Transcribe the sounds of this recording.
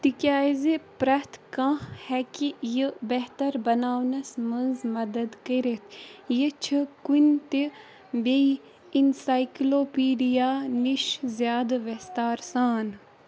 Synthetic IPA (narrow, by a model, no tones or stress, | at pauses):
t̪ikʲjaːzepɾɐt̪ʰkãhɛkijəbeɦt̪ɐɾbɐnaːwnɐsmɐnzmɐd̪ɐd̪kəɾet̪ʰjət͡ʃʰikunʲt̪i | be | insaːjkloːpiːɖijaːniʃzjaːd̪ʋest̪aːɾsaːn